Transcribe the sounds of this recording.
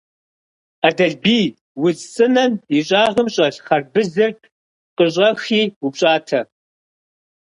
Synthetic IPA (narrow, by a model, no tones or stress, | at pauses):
adɐɮbiː | wʊzt͡sʼɨnɐmiɕʼaːʁəmɕʼɐɬχɐrbɨzɨrt | qəɕ̬ʼɐxiːupɕʼaːtʰɐ